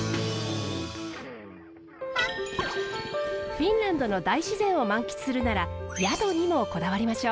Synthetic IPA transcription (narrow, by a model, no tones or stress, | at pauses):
ɸʲĩnɾãnd̪o̞no̞d̪aiɕizẽ̞ɰ̃o̞mãŋkʲi̥t͡sɨ̥sɨɾɯ̟naɾajad̪o̞ɲ̟imo̞ko̞d̪aβaɾʲimaɕo̞ː